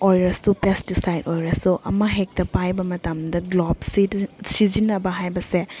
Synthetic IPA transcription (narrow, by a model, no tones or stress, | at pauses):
ojɾɐsupestisajdojɾɐsuʔɐ̰mɐɦek̚tɐpajbɐmɐtɐmdɐɡlob̚sisizinɐbɐɦajbɐse